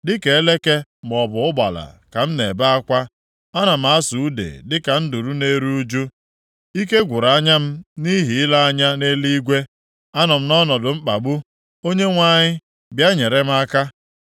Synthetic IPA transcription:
dɪ˦ke˨e˦le˦ke˦m˨ɔ˨bʊ˨ʊ˦ba̰˨la̰˨ka˨m̩˦ne˨ba˦a˦kʷa˦ | a˦na˨m̩˦a˦su˨u˦dḛ˨dɪ˦ka˨n̩˦du˨ɾu˦ne˦ɾu˦u˦d͡ʒu˦ | i˦ke˦ɡʷʊ˨ɾa˨˦ɲa˦m̩˦ni˦ɦi˨ɪ˦la˦a˦ɲa˦ne˦li˦ɡʷe˦ | a˦nɔ˨m̩˦nɔ˦nɔ˨dʊ˨m̩˦k͡pa˨ɡ͡bu˦ | o˦ɲe˦ŋʷa˦˨ɲɪ˦ | bja˦ɲe˨ɾe˦m̩˦a˦ka˦

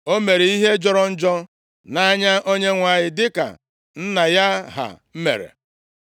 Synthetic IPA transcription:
o˦me˨ɾe˨i˦ɦe˦d͡ʒɔ˦ɾɔ˦n̩˦d͡ʒɔ˦ | na˦ɲa˦ʔo˦ɲe˦ŋʷa˨ɲɪ˨dɪ˦ka̰˨ | n̩˦na˨ja˦ɦa̰˨m̩˦mḛ˨ɾḛ˨

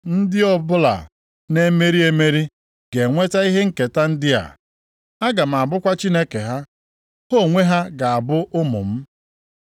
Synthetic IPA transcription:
n̩˦dɪ˦ɔ˦bʊ˦la̰˨ | ne˦me˦ɾi˦e˦me˦ɾi˦ | ɡe˨ŋʷe˦ta˦i˦ɦe˦ŋ̩˦˨ke˨ta˦n̩˦dɪ˦a̰˨ | a˦ɡa˨m̩˨a˨bʊ˦kʷa˦t͡ʃi˦ne˦ke˨ɦa˦ | ho˦˨ŋʷe˦ɦa˦ɡa˨a˨bʊ˦ʔʊ˦mʊ̰˨m̩˦

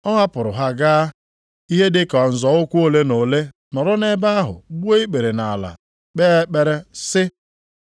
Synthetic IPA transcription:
ɔ˦ɦa˦pʊ˨ɾʊ˨ɦa˦ɡaː˦ | i˦ɦe˦dɪ˦kɔ˨n̩˨zɔ˨ʊ˦kʷu˦o˦le˦no˨le˦ | nɔ˨ɾʊ˦ne˦ba˦a˦ɦʊ̰˨ɡ͡bu˦e˦i˦k͡pe˨ɾe˨na˨la̰˨ | k͡pe˦k͡pe˨ɾe˦sɪ˦

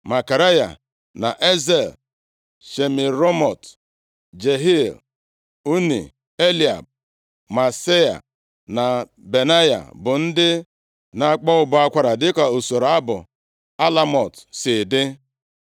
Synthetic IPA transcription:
ma˨ka˨ɾa˦ja̰˨ | na̰˨ʔe˦ze˨l | ʃe˨mi˨ɾo˦mɔ̰˨t | d͡ʒe˨ɦi˦˨l | u˦nḭ˨ | e˦li˦˨a̰˨b̚ | ma˨se˦ja̰˨ | na˨ | be˨na˦ja̰˨bʊ˨n̩˦dɪ˦ | na˨˦k͡pɔ˦ʊ˨bʊ˨˦a˦kʷa˦ɾa˨dɪ˦ka˨o˨so˨ɾa˦bʊ˨ | a˦la˦mɔ˨tsɪ˨dɪ˦

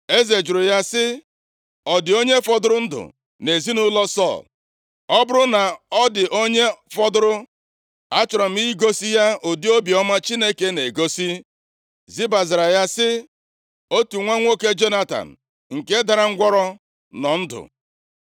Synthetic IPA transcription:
e˦ze˨d͡ʒʊ˨ɾʊ˨ja˦sɪ˦ | ɔ˨dɪ˨o˦ɲe˦fɔ˨dʊ˦ɾʊ˦n̩˦dʊ̰˨ | ne˨zi˦nʊ˦lɔ˦sɔ̰˦˨l | ɔ˦bʊ˦ɾʊ˦na˨ɔ˦dɪ˨ʔo˦ɲe˦fɔ˦dʊ˦ɾʊ˦ | a˦t͡ʃʊ˨ɾɔ˨m̩i˦ɡo˦si˦ja˦o˨di˦o˦bi˨ɔ˦ma˦t͡ʃi˦ne˦ke˦ne˨ɡo˦si˦ | zi˦ba˨za˨ɾa˨ja˦sɪ˦ | o˦tu˨ŋʷe˦ŋʷo˦ke˦d͡ʒo˦na˦ta̰˨n̩˨ | ŋ̩˨ke˦da˨ɾa˨ŋ̩˦ɡʷɔ˦ɾɔ˦ | nɔ˨n̩˦dʊ̰˨

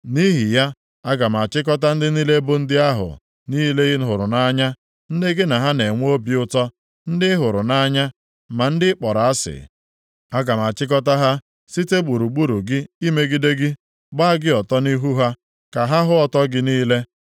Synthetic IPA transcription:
ni˦ɦi˨ja˦ | a˦ɡa˨m˨a˨t͡ʃɪ˦k̬ɔ˦t̬a˦n̩˦dɪ˦ni˦le˦bʊ˦n̩˦dɪ˦a˦ɦʊ̰˨ | ni˦le˦ɣɪ˦ɦʊ˨ɾʊ̰˨na˦ɲa˦ | n̩˦dɪ˦ɡɪ˦na˨ɦa˦ne˨ŋʷ˦o˦bi˨ʊ˦tɔ˦ | n̩˦dɪ˦ɦʊ˨ɾʊ˨na˦ɲa˦ | ma˨n̩˦dɪ˦k͡pɔ˨ɾa˨a˦sɪ̰˨ | a˦ɡa˨m˨a˨t͡ʃɪ˦k̬ɔ˦ta˦ɦa˦ | si˦te˦ɡ͡bu˨ɾu˨ɡ͡bu˦ɾu˨ɡɪ˦i˦me˦ɡɪ˦de˦ɡɪ˦ | ɡ͡ba˦a˦ɡɪ˦ɔ˨tɔ˦ni˦ɦu˦ɦa˦ | ka˨ɦa˦ɦʊ˦ɔ˦tɔ˦ɡɪ˦niː˦le˦

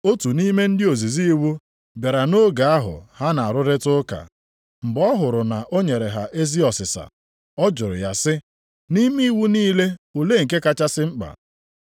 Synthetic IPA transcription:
o˦tu˨ni˦me˦n̩˦dɪ˦o˨zi˨zi˦wu˦ | be˨ɾa˨no˦ɡa˨a˦ɦʊ̰˨ha˦na˨a˨ɾʊ˦ɾɪ˦tʊ˦ka̰˨ | ŋ͡m̩˨ɡ͡bɔ˦ɦʊ˨ɾʊ˨na˨ʔo˦ɲe˨ɾe˨ɦa˨ʔe˦zi˦ɔ˨sɪ˨sa̰˨ | ɔ˦d͡ʒʊ˨ɾʊ̰˨ja˨sɪ˦ | ni˦mi˦wu˦niː˦le˦o˨le˦ŋ̩˨k̬e˦ka˦t͡ʃa˦sɪ˦ŋ͡m̩˦k͡pa̰˨

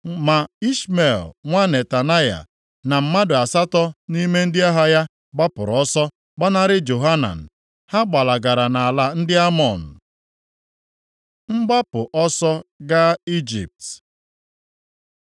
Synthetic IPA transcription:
ma˨i˦sme˨lŋʷa˦ne˨ta˨na˦ja̰˨ | na˨m̩˨ma˦dʊ˨a˨sa˦tɔ˦ni˦me˦n̩˦dɪ˦a˦ɦa˦ja˦ | ɡ͡ba˦pʊ̰˨ɾɔ˦sɔ˦ | ɡ͡ba˦na˦ɾɪ˦d͡ʒo˨ɦa˦na̰˨n̩˨ | ha˦ɡ͡ba˨la˨ɡa˨ɾa˨na˨a˨la˦n̩˦dɪ˦a˦mɔ˨n̩˨ | ŋ͡m̩˦ɡ͡ba˦pʊ˨ʔɔ˦sɔ˦ɡa˦i˦d͡ʒḭ˨p̚t

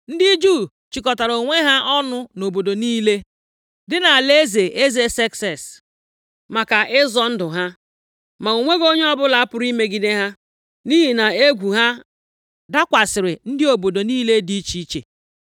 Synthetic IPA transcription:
n̩˦dɪ˦d͡ʒuː˦˨ | t͡ʃi˨kɔ˨ta˨ɾo˨ŋʷe˦ɦa˦ʔɔ˦nʊ˦no˨bo˨do˨niː˦le˦ | dɪ˦na˨a˨le˦ze˨ʔe˦ze˦sɛ˦ksɛ˨s | ma˨ka˨ʔɪ˦zɔ˦n̩˦dʊ˨ɦa˦ | ma˨u˨ŋʷe˦ɡo˦ɲ˦ɔ˦bʊ˦la˨a˦pʊ˨˦ɾi˦me˦ɡi˦de˦ɦa˦ | ni˦ɦi˨na˨e˦ɡʷu˨ɦa˦ | da˦kʷa˨sɪ˨ɾɪ˨n̩˦dɪ˦o˨bo˨do˨niː˦le˦di˦t͡ʃi˦t͡ʃḛ˨

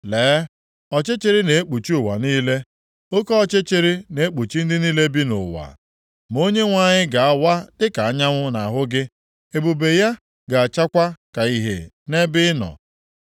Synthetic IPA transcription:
leː˨˦ | ɔ˨t͡ʃe˦t͡ʃe˦ɾɪ˦ne˨e˦k͡pu˨t͡ʃi˦ʊ˨wa̰˨niː˦le˦ | o˦kɔ˦ɔ˦t͡ʃe˦t͡ʃe˦ɾi˦ne˨e˦k͡pu˨t͡ʃi˦n̩˦dɪ˦niː˦le˦bi˦nʊ̰˨wa̰˨ | mo˦ɲe˦ŋʷa˦˨ɲɪ˦ɡa˨a˦wa˦dɪ˦ka˨a˦ɲa˦ŋʷʊ˦na˨ɦʊ˦ɡɪ˦ | e˨bu˨be˨ja˦ | ɡa˨a˨t͡ʃa˦kʷa˦ka˨i˦ɦḛ˨ | ne˦bɪ˦nɔ̰˨

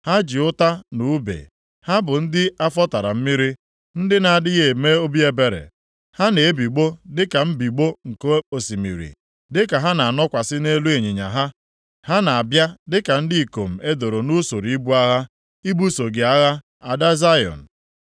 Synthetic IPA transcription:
ha˦d͡ʒi˨ʊ˦ta˦nu˨˦bḛ˨ | ha˦bʊ˨n̩˦dɪ˦a˦fɔ˦ta˨ɾa̰˨m̩˦mi˦ɾi˦ | n̩˦dɪ˦na˨a˨dɪ˦ɣe˨me˦o˦bi˦e˦be˨ɾḛ˨ | ha˦ne˨e˦bi˨ɡ͡bo˦dɪ˦ka˨m̩˦bi˨ɡ͡bo˦ŋ̩˨ko˦o˨si˨mḭ˨ɾḭ˨ | dɪ˦ka˨ɦa˦na˨a˨nɔ˦kʷa˨sɪ˦ne˦lu˦e˨ɲe˨ɲa̰˨ɦa˦ | ha˦na˨a˨bja˦dɪ˦ka˨n̩˦dɪ˦i˨ko˨m̩˨e˦do˨ɾo˨nu˦so˨ɾi˨i˦bu˦a˦ɣa˦ | i˦bu˦so˨ɡe˨a˦ɣa˦ | a˨da˦za˦jɔ̰˨n̩˨

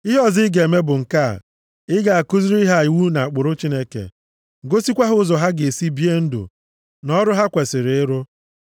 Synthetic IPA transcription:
ɪ˦ɦɔ˦˨zɪ˦ɡe˨e˨me˦bʊ˨ŋ̩˨ka̰˦˨ | ɪ˦ɡa˨a˨kʊ˦zi˦ɾi˦ɦa˦i˨wu˦na˨a˨k͡pʊ˨ɾʊ˦t͡ʃi˦ne˦kḛ˨ | ɡo˦si˦kʷa˦ɦʊ˦zɔ˨ɦa˦ɡe˨e˨si˦bi˦e˦n̩˦dṵ˨ | nɔ˦ɾʊ˦ɦa˦kʷe˨sɪ˨ɾɪ˨ɪ˦ɾʊ˦

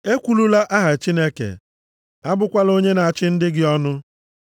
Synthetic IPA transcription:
e˦kʷu˨lu˦la˦ʔa˦ɦa˨t͡ʃi˦ne˦kḛ˨ | a˦bʊ˦kʷa˦lo˦ɲe˦na˨a˨t͡ʃɪ˦n̩˦dɪ˦ɡɪ˦ɔ˦nʊ˦

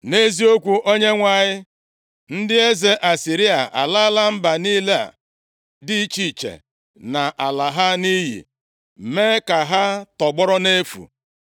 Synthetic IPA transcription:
ne˦zi˦o˦kʷu˨ʔo˦ɲe˦ŋʷa˨ɲɪ˦ | n̩˦dɪ˦e˦ze˦ʔa˨si˨ɾi˦a˨ʔa̰˨la˦la˦m̩˦ba˨niː˦le˦a̰˨ | dɪ˦t͡ʃi˨t͡ʃḛ˨ | na˨ʔa˨la˨ɦa˦ni˦ɦḭ˨ | me˦ka˨ɦa˦tɔ˨ɡ͡bɔ˦ɾɔ˦ne˦fṵ˨

